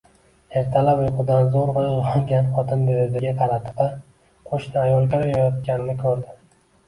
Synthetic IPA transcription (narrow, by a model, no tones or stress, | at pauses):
e̞ɾt̪ʰalapjoqɨd̪anzoɾvaohɒŋɡʲanχɒt̪ʰɪnd̪ejed̪ɪɡʲaq̪ʰɑɾat̪ʰɪ̥va | qʰoʃnɪajɒlˠkʲɪɾjajɒt̪̚kʲanɪnɪkʲʰɵɾd̪ɪ